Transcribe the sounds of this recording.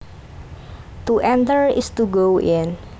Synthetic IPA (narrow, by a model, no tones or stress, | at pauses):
t̪uʔɛ̃nt̪əɹɪ̰st̪uɡowʔɪn